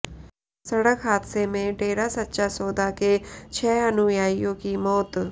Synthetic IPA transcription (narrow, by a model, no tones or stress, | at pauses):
sɐɽəkɦaːd̪semẽɖeːɾasɐtːʃasoːd̪ʱaket͡ʃʰɛːɐnujaːijõkimɔːt̪